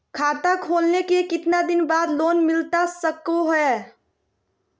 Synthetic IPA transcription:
kʰaːt̪akʰoːlnekekɪt̪nad̪ɪnbaːd̪loːnmɪlt̪asəkoɦɛ

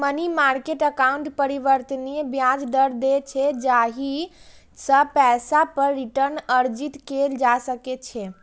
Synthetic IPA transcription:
mənimaɾkeʈəkauɳʈpəɾiʋəɾt̪ənibjad͡ʒd̪əɾd̪et͡ʃʰed͡ʒaɦi | səpɛsapəɾːiʈəɾnəɾd͡ʒit̪keld͡ʒasəket͡ʃʰe

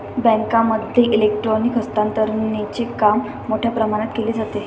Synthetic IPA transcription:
bə̃ŋkãməd̪ʱːjeʔilek̚ʈɾɔnikɦəst̪ãnt̪əɾnit͡ɕekamː | oʈʰjapɾəmaɽ̃at̪keliːd͡zat̪e

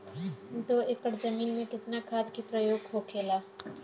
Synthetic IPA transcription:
d̪oːekəɽd͡ʒəmiːnmẽkɪt̪nakʰaːd̪kipɾəjoːɡɦokʰeːlaː

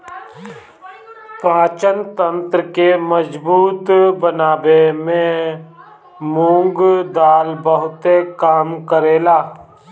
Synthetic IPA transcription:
pãːt͡ʃənt̪ə̃nt̪ɾəkeməd͡ʒbuːt̪bənaːbemẽ | mũːŋɡd̪aːlbəɦʊt̪ekaːmkəɾeːlaː

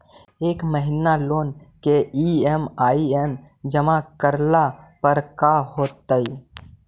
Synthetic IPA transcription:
eːkməɦɪnaloːnkeiemaːien | d͡ʒəmakəɾlapəɾkaɦoːt̪ːəi

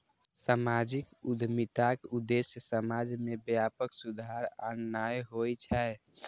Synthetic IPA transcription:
samad͡ʒikud̪ʱmit̪akud̪esjəsəmad͡ʒmebjapəksud̪ʱaɾanːajɦojt͡ʃʰɛɛ

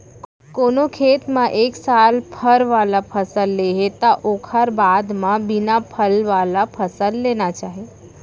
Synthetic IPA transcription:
koːnokʰeːt̪mãʔeːksaːlpʰəɾʋaːlapʰəsəlːeɦet̪aʔoːkʰəɾbaːd̪mãbɪnapʰəlʋaːlapʰəsəlːeːnat͡ʃaːɦe

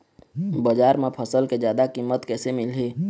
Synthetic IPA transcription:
bəd͡ʒaːɾmẽpʰəsəlked͡ʒjaːd̪akimət̪kɛːsemɪlɦeː

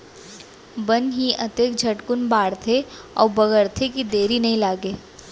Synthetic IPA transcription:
bɐnɦiɐt̪eːk̚d͡ʒʱɐʈkʊnbaːɽt̪ʰeɔ̰ːɾbɐɡəɾt̪ʰekid̪eːɾinɐɦĩlaːɡeː

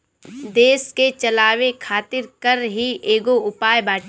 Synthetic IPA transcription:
d̪eːsket͡ʃɐlaːʋekʰaːt̪ɪɾkəɾɦiʔeːɡoʊpaːjbaːʈ

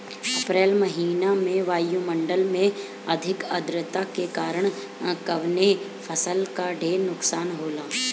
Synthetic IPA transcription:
ɐpɾɛːlmɐɦiːnamẽʋaːjumə̃ɳɖəlmẽ | ɐd̪ʱɪkɐd̪ɾət̪akekaːɾəɽ̃ | kɐʋne | fʰəsəlkaɖʱeːɾnʊksaːnɦoːlaː

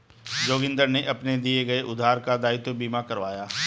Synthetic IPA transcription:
d͡ʒoːɡɪ̃nd̪əɾneʔɐpned̪ieɡɐeʔʊd̪ʱaːɾkad̪aːɪt̪obiːmakɐɾʋaːjaː

